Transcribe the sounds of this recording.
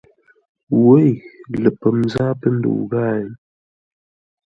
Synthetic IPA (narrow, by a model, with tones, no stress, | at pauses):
we˦jlə˨pə˨m˦za˦pə˦n̩˦dṵ˨ɡa˦˨˦